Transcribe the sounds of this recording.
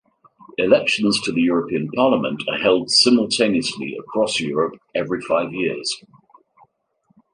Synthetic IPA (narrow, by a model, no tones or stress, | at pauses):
ɪlɛkʃə̃nz̥tʰəðəjɔːɹəpʰĩə̃npʰɑːləmə̰̃ntʰəhɛlˠd̥sɪ̃məlˠtʰẽɪ̃niəslḭə̰kʰɹ̥ɒsjɔːɹəpɛvɹifaɪvjɪəz̥